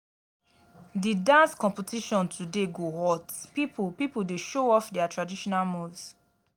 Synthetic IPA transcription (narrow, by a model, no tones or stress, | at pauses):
didãnskɔ̃mpitiʃɔ̃ntʰudeɡohɔtpipupipudeʃoɔfdɛatɹadiʃɔnalmuvs